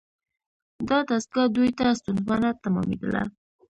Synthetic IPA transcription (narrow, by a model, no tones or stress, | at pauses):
d̪ɑt̪asɡɑd̪ujt̪ast̪unwɑnat̪amɑ̰mḛd̪əla̰